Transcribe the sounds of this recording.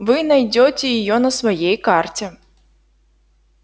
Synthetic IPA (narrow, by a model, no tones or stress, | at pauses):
vɨnɐjdʲotʲɪjɪjonəsvɐjejkartʲɛ